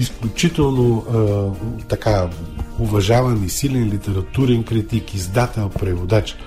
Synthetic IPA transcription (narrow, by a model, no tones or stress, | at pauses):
isklʲʊt͡ʃit̪ɛlˠno | t̪ɐkaʊvɐʒavɐnisilʲɛnlʲit̪ɛɾɐt̪uɾɛnkɾit̪ikizd̪at̪ɛlˠpɾɛvod̪at͡ʃ